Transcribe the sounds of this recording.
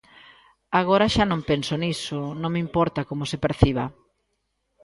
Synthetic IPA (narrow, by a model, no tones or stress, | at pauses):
aɣ̞oɾaʃanõmpensonisonõŋmimpɔɾt̪akomosepeɾθiβ̞a